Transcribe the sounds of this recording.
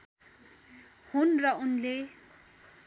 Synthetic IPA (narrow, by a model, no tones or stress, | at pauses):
hunrʌunle